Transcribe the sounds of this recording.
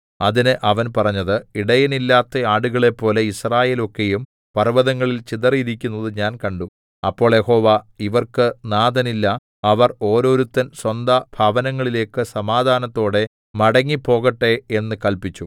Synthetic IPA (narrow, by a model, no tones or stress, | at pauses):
ɐðinɨʔɐʋɐnpɐrɐɲːɐðɨiɽɐjɐnilːaːt̪ːɐaːɽuɣɐɭe̞pːo̞ːle̞israːje̞ːlo̞kːe̞jum | pɐrʋɐðɐŋːɐɭilt͡ɕiðɐriiɾikʲːunːɐðɨɲaːnkɐɳɖu | ɐpːo̞ːɭje̞ho̞ːʋaːiʋɐrkɨnaːd̪ɐnilːɐ | ɐʋɐro̞ːɾo̞ːɾut̪ːɐnswɐnd̪ɐb̥ʱaːʋɐnɐŋːɐɭile̞ːkːɨsɐmaːd̪ʱaːnɐt̪ːo̞ːɽe̞ | mɐɽɐŋːipːo̞ːɣɐʈːe̞e̞nːɨkɐlpit͡ɕːu